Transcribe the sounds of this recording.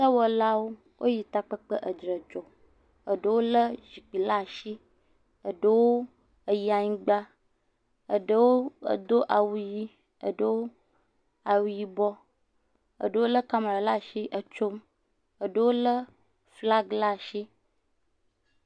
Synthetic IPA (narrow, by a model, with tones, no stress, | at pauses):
sə˦wɔ˨la˦wo˦ | wʔo˦ji˨t̪a˦k͡pə˦k͡pə˦ʔə˨d͡ʒɾə˨d͡ʒɔ˨ | ə˨ɖə˦wo˦lə˦ʒi˨k͡pi˨la˦˨ʃi˦ | ə˨ɖə˦wo˦ | ə˨ji˦a˨ɲĩ˦ɡ͡ba˦ | ə̰˨ɖə˦wo˦ə̰˨d̪o˦ʔa˨wu˨˦ji˦ | ə̰˨ɖə˦wo˦ | a˨wu˨ji˦bɔ˦ | ə̰˨ɖə˦wo˦lə˦ka˦ma˨ɾa˨la˦˨ʃi˦ʔə˨t͡ʃo˦m | ə˨ɖə˦wo˦lə˦ | fla˦ɡla˦ʃi˦